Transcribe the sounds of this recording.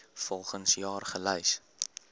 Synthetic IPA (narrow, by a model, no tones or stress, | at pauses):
fɔlˠχənsjɑːrχələjs